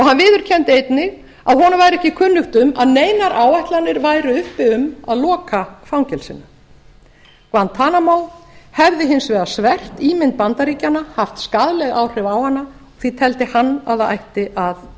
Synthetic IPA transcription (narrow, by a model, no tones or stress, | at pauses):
ɔɣhanvɪːðʏɾ̥cʰɛnt̪ejt̪nɪɣ | aðɦɔnavajɾɛhcɪkʰʏnːʏxt̪ʏmaðneːjnaɾʔaːwajht̪lanːɪɾvaːjɾʏʏhpɪʏmaðlɔːkʰafawɲcɛlsɪnːa | kvanːt̪ʰaːnamawhɛvðɪɦɪnsvɛːðasvɛr̥t̪iːmɪnt̪̚pant̪aɾiːcanahaft̪skaðlɛɣaːwr̥ɪvawhanːa | ɔɣ̥θit̪ʰɛlt̪ɪhanːa̰ðaa̰jht̪ɪʔað